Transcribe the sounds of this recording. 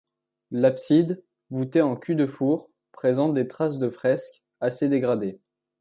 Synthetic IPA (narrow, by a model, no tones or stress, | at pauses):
lapsid̪ | vut̪eɑ̃kʲyd̪əfuʁ | pχezɑ̃t̪̚d̪et̪χas̬d̪əfχɛsk | ased̪eɡʁad̪e